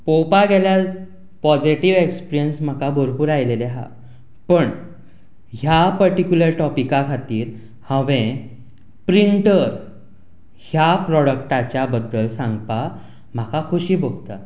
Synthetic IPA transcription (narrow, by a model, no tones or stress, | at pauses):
powpaɡɛljad͡z | pɔd͡ziʈiʋekspiɾijənsm̤akabʱoɾpuːɾajleleɦa̰ | pəɳ | ɦjapəɾʈikʲjuləɾʈɔpikakʰat̪iːɾ | hə̃ʋẽ | pɾiɳʈəɾ | hjapɾɔɽəkʈat͡ɕjabəd̪ːəlsãŋɡpa | m̤akakʰuɕiːbʱoɡt̪a